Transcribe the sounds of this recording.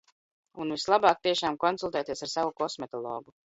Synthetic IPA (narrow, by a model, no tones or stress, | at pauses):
unvislˠabaːk̚t̪iɛʃaːmkɔnsulˠt̪ɛːt̪iɛsaɾsavukɔsmɛt̪ɔlˠɔ̰ːɡu